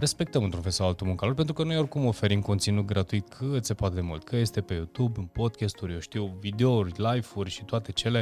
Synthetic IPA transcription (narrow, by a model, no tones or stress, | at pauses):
re̞spe̞k̚t̪əmɨnt̪ɾunfelsawalt̪umuŋkalorpent̪ɾukəno̞jo̞rʲkumo̞fe̞ɾimko̞nt̪sinut̪̚ɡɾat̪uit̪kʰɨt̪se̞poat̪ed̪e̞mṵlt̪kʰəje̞st̪e̞pe̞jut̪ubɨnpo̞d̪̚kʲest̪uɾʲjowʃt̪iwvid̪eourʲlajfurʲʃit̪oat̪e̞t͡ʃe̞le̞